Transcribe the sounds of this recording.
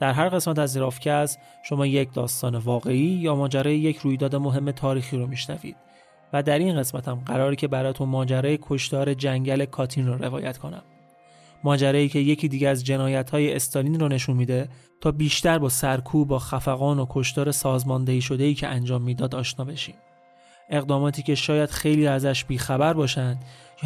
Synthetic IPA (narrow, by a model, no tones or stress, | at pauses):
d̪̥æɾɦæɾɣe̞smæt̪æziɾɒːfcʰæs | ʃo̞mɒːje̞cʰd̪ɒːst̪ɒːne̞vɒːɣe̞iːjɒːmɒːd͡ʒæɾɒːjeje̞cʰɾuːjd̪ɒːd̪e̞mo̞ɦe̞mːe̞t̪ʰɒːɾiːxiːɾomiːʃnæ̰vḭːd̪̥ | væd̪æɾinɢe̞smæt̪ʰæmɢæɾɒːɾicʰe̞bæɾɒːjt̪ʰunmɒːd͡ʒæɾɒːjekʰo̞ʃt̪ɒːɾe̞d͡ʒæŋɟæle̞kʰɒːt̪ʰinroɾe̞̰vɒ̰ːjæt̪kʰo̞næ̰mː | ɒːd͡ʒæɾɒːiːcʰe̞je̞cʰiːd̪iːɟeæzd͡ʒe̞nɒːjæt̪ʰhɒːjeːst̪ɒliːnrɔːne̞ʃunmiːd̪e | t̪ʰɒːbiːʃt̪æɾbɒːsæɾkʰuːbbɒːxæfæɣɒːnokʰo̞ʃt̪ɒːɾe̞sɒːzmɒːnd̪eiːʃo̞d̪e̞iːcʰeænd͡ʒɒːmːiːd̪ɒːd̪ɒːʃnɒːbe̞ʃiːm | e̞ɣd̪ɒːmɒːt̪ʰiːcʰe̞ʃɒːjæd̪̥xejliːæzæʃbiːxæbæɾbɒːʃænd̪